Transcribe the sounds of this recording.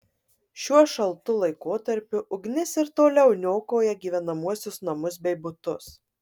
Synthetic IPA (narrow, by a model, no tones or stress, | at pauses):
ʃʲuɔʃɐlˠt̪ʊlˠɐɪkoːt̪ɐɾʲpʲʊʔʊɡnʲɪsɪɾt̪oːlʲɛʊnʲoːkoːjɛɡʲiːʋʲɛnɐmuɔsʲʊsnɐmʊsbʲɛɪbʊt̪ʊs